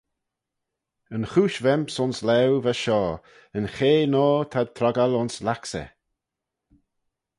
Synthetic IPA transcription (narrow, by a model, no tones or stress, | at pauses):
ənxuːʃvɛmpsʊnslɛwvaʃɔː | ənxeːnɔːt̪ʰad̪̚t̪ʰɾɔɡalʊnslaksɛ̰